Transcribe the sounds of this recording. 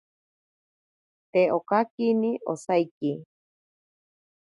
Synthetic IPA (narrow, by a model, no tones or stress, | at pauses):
t̪eokakiniʔo̰sajki